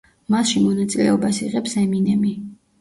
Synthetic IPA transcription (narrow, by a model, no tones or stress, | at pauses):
masʃimɔnat̪sʼilɛɔbasiʁɛpsɛminɛmi